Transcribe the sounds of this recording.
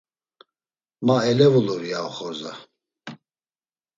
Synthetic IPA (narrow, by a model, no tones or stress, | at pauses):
maɛlɛvuluviawχɔza̰